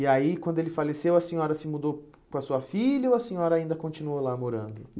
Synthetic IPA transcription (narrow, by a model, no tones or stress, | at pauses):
iaikwɐ̃nd̪ʊelɪfalesewɐsẽɲɔɾɐsɪmud̪ow | pɾɐsuɐfiʎɐʊɐsẽɲɔɾɐaĩnd̪ɐkõnt͡ʃinuolamoɾɐ̰̃nd̪ʊ